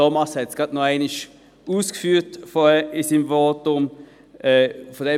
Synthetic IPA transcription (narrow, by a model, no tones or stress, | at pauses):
omɑsɛt̪sɡ̥ɑt̪noæɪnɪʃ | uːskəfyːt̪fɔisimʋoːt̪ʊmː | fɔd̪ɛ